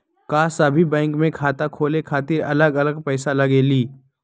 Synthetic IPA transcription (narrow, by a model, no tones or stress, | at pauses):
kaːsɐbʱibɛ̃ːŋkmẽkʰaːt̪akʰoːlekʰaːt̪ɪɾɐləɡɐləɡpɛːsalɐɡeːliː